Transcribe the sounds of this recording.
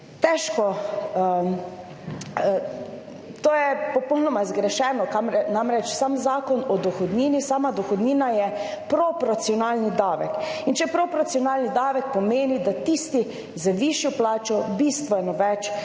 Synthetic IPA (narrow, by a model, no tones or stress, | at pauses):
t̪ɛʃkɔ | t̪oːjɛpɔpɔwnɔmazɡɾɛʃɛːnɔkamɾɛnamɾɛt͡ʃsamzaːkɔnɔd̪ɔxɔd̪niːnisaːmad̪ɔxɔd̪niːnajɛ | pɾɔpɔɾat̪siɔnaːlnid̪aːʋɛ̰kint͡ʃɛjɛpɾopɾat̪siɔnaːlnid̪aːʋɛk̚pɔmeːnid̪at̪ist̪i | zəʋiʃjɔplaːt͡ʃɔbist̪ʋɛnɔʋɛt͡ʃ